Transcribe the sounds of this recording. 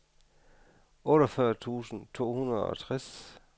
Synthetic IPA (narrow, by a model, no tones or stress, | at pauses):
ɔ̽ɾɒfɶɐt͡sʰṵːsn̩t͡sʰo̝̰ːhunɐðˠɒ̽t͡sʰʁas